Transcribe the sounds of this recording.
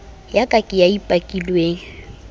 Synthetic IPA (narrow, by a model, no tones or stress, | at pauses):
jakʼakʼɪjaipʼakʼilweːŋ̩